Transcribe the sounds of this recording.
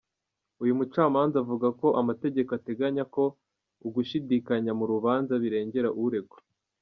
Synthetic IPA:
ujumut͡ʃaːmaːnzaːvuɡako̞ʔamate̞ɟe̞koate̞ɡaɲako̞ | uɡuʃidikaɲamuɾuβaːnzaβiɾe̞ːɲɟe̞ɾaʔuuɾe̞ɡo

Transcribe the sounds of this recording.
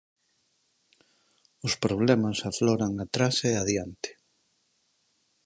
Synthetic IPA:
ʊspɾoβ̞lɛmasafloɾaŋat̪ɾaseaðjant̪ɪ̥

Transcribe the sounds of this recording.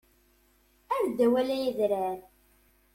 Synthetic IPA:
æɾd̪æwælæjiðɾæɾ

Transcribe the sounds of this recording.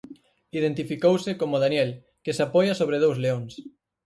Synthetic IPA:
iðent̪ifikowsɪkomoðanjɛl | kesapɔjɐsoβ̞ɾeðowzleõŋs

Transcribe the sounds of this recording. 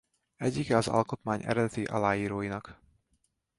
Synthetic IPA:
ɛɟːikɛɒzɒ̰lko̞t̪maːɲɛ̰ɾɛd̪ɛt̪iʔɒ̰laːjiːɾoːjinɒk

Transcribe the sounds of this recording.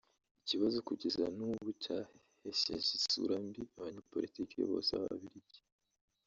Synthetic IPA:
iciβazo̞kuɟezanuβucahhesḛzisṵɾambiaβaɲepo̞lʔitiːkiḛβo̞̰sa̰βa̰βiɾiɟe̥

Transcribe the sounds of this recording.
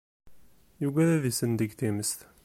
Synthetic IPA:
juɡæɾæðisənd̪əɡθiməst̪

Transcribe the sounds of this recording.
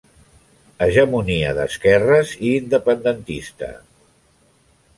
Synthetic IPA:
əʒəmuniə̰ðə̰skɛrəziːnd̪əpənd̪ənt̪ist̪ə̰

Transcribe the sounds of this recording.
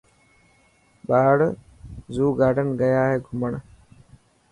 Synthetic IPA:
ɓaːɽ | zuːɡaːɖənɡəjaːɦeːɡʱʊməɳ

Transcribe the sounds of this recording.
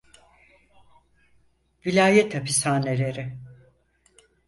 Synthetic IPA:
vilʲaːjet̪ʰapʰisaːnelʲe̞ɾɪ

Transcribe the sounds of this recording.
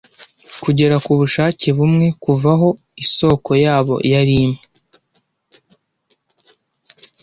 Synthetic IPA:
kuɟe̞ɾakuβuʃaːceβumŋe̞kuvaɦo̞ | iso̞ːko̞jaːβo̞̰jaɾiːmŋe

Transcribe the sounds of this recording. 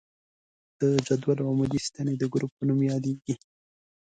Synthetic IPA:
d̪̥əd͡ʒad̪walwamaɡist̪aned̪əɡɾupːənumjɑd̪eɡi

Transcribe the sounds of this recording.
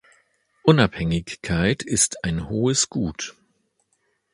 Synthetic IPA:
ʔʊnaphɛŋɪçkʰːaɪtɪstʰaɪnhoːəsɡ̥uːt

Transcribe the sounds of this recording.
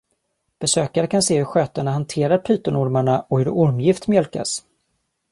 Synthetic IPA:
b̥ɛsøːkaɾəkʰanseːhɵɾɧøːt̪əɳahant̪ʰeːɾaɾpʰyːt̪ənʊɾmaɳaɔhɵɾʊɾmjɪft̪mjœlka̰s

